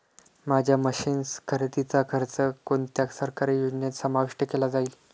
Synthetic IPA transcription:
mad͡ʑʱjaməɕiːnskʰəɾt̪it͡sakʰəɾt͡səkont̪jaksəɾkaɾijud͡ʑnjet̪səmaʋiʂʈəkelad͡zaiːl

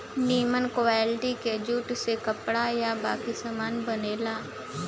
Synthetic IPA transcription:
niːmənkoɛːlʈiked͡ʒuːʈsekəpɽajabaːkisamaːnbɐneːlaː

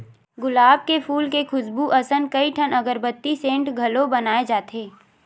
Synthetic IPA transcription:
ɡʊlaːb̚kefuːlkekʰʊsbuʔɐsənkɐiʈʰənɐɡəɾbət̪ːisẽːɳʈɡʱɐlobɐnaːed͡ʒaːt̪eː

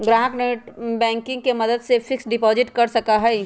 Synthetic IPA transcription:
ɡɾaːɦəkneʈbɛ̃ːŋkɪ̃ŋɡ̚kemɐd̪əd̪sefɪksɖɪpɔːzɪʈkɐɾsɐkaɦɛ

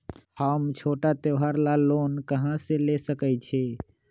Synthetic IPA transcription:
həmt͡ʃʰoʈat̪eɦaɾlalonkəɦãselesəkɛt͡ʃʰɛ

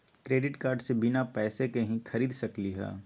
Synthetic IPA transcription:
kɾeːɖɪʈkaːɾɖsebɪnapɛːsekeɦĩxʰɐɾiːd̪sɐkliɦɛ̰ː

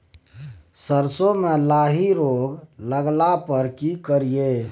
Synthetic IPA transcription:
səɾsõmelaɦiɾoɡləɡlapəɾkikəɾije

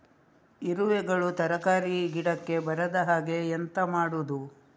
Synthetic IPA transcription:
iɾuʋɛɡɐɭut̪ɐɾɐkaːɾiɡiɽɐkːe̞bɐɾɐd̪ɐɦaːɡe̞ent̪ɐmaːɽud̪u

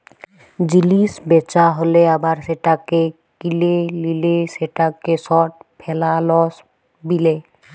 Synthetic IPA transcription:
d͡ʑilisbet͡ʃaɦoleabaɾseʈake | kilelileseʈakesɔʈ̚pʰelalɔs | bile

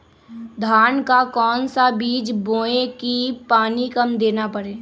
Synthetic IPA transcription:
d̪ʱaːnkakɔːnsabiːd͡ʒbõːekipaːnikɐmd̪eːnapəɾeː

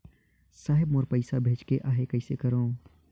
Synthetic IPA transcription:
saːɦɪbmoːɾpəɪsabʱeːt͡ʃkeʔaːɦekəɪsekəɾõː

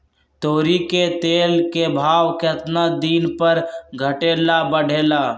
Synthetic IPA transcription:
t̪oːɾiket̪eːlkebʱaːwkeət̪nad̪iːnpəɾɡʱəʈeːlabəɽ̤ʱeːlaː

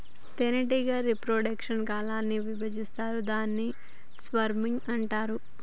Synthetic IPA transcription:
t̪enɐʈiɡɐːɾipɾoːɖɐkʂɐnkaːlaːnːiʋibɐd͡ʒist̪aːɾud̪aːnːi | sʋɐɾmiŋɡɐɳʈaːɾu

